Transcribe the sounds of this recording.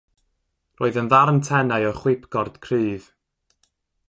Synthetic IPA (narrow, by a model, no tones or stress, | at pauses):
roːðənðarntʰɛnaɨɔχwɪpʰɡ̥ɔrd̥kʰrɨːð̥